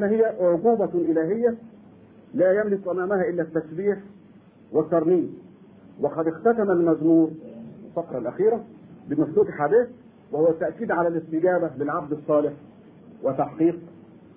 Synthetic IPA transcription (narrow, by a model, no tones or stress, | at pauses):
næhɪjːæʕʊɡuːbæʔɪlæːɦɪjːæ | læːjæmlɪkʔæmæːmæhæʔɪlːæt̪ːæsbiːħ | wɪt̪ːɑɾˤniːm | wɪqɑd̪ɪxt̪æt̪æmælmæzmuːɾɪlfɑqɾˤɑlʔæ̰xiːɾæbɪmʊst̪uːt̪ħaːd̪iːθ | wɪhʊwːæt̪ːaʔkiːd̪ʕalælɪst̪ɪɡæːbælɪlʕab̚d̪ɑsˤːɑːlɪħ | wɪt̪ːɑħqiːq̚